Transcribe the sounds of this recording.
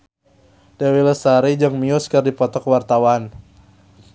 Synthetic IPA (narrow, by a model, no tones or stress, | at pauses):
dawiləsaɾid͡ʒəŋmiuskərdipɔt̪ɔkwart̪awan